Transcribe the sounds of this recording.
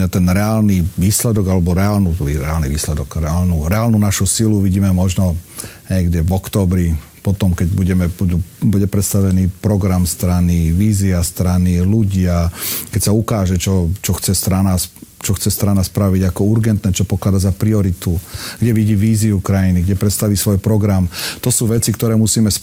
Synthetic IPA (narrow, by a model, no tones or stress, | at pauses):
at̪ɛnɾɛaːlniʋiːslɛd̪ɔɡalɛbɔɾɛaːlnuiɾɛ̰alniʋiːslɛd̪ɔkɾɛaːlnuɾɛaːlnuːnaʃusiluʋiɟiːmɛmɔʒnɔɲɛɡɟɛvɔkt̪ɔːbɾi | pɔt̪ɔmkɛɟ̚buɟɛmɛbud̪ubuɟɛpɾɛt̪st̪aʋɛniːpɾɔɡɾamst̪ɾaniʋiːziast̪ɾaniluɟɪakɛcsaukaːʒɛt͡ʃɔt͡ʃɔxt͡sɛst̪ɾanast͡ʃɔxt͡sɛst̪ɾanaspɾaʋiɟakɔuɾɡɛnt̪nɛt͡ʃɔpɔklad̪aɟzapɾiɔɾit̪uɡɟɛʋiɟiːʋiːziukɾajiniɡɟɛpɾɛt̪st̪aʋiːsʋɔjpɾɔɡɾamt̪ɔsuːʋɛt͡sikt̪ɔɾɛːmusiːmɛs